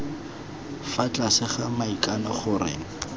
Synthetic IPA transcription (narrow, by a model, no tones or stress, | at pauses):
fat͡ɬʼasɪχamaikʼanɔχʊɾɪ̰ːŋ̩